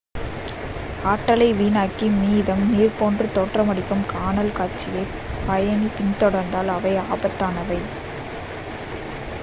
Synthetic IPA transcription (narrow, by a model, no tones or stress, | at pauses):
aːʈːɐlɐɪʋiːnaːkːimiːðɐmniːrpoːndrɯt̪oːʈrɐmɐɽɪkːɯmkaːnɐlkaːɾt͡ʃɪjɐɪ | pɐjɐnipɪnt̪ɔɽɐɾnd̪aːlɐʋɐɪaːbɐt̪ːaːnɐʋɐɪ